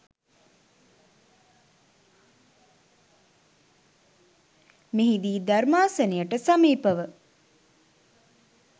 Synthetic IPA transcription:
meɦid̪iːd̪armaːsənijəʈəsamiːpəʋə

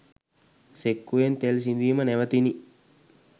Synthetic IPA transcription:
sekːuent̪els̬ind̪iːmənɛʋət̪ini

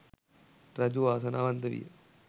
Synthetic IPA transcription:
ɾɐd͡ʒuaːsɐnaːʋɐnt̪ɐʋḭj̰

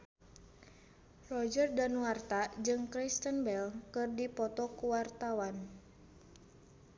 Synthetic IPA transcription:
rɔd͡ʒərdanuwart̪ad͡ʒɨŋkɾist̪ənbɛlkɨrdipɔt̪ɔkuwart̪awan

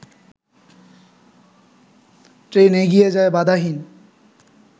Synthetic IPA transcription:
tɹeneɡijɛzajbad̪ʱaɦin

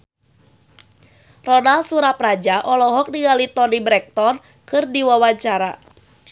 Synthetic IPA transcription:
rɔnalsuɾaprad͡ʒaʔɔlɔɦɔk̚niŋalit̪ɔnibɾɛk̚t̪ɔn | kɨrdiwawaɲt͡ʃaɾa

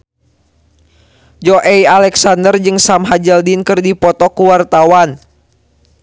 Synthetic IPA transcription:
d͡ʒɔʔɛjalɛksandərd͡ʒɨŋsamɦad͡ʒəldinkɨrdipɔt̪ɔkuwart̪awan

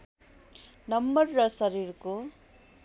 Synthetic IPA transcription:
nɐmːɐɾːɐsɐɾiːɾku

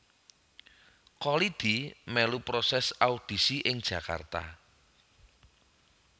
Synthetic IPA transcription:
kɔlid̪̥imɛlupɾosɛsaud̪̥i̤siʔɪŋd̥ʒ̥ä̤ka̰rt̪a̰

